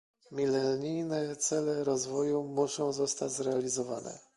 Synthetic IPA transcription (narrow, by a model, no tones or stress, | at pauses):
mʲilɛɾɲijnɛt̪sɛlɛɾɔzvɔjumuʂɔ̃w̃zɔst̪ad͡ʑzɾɛalʲizɔvanɛ̰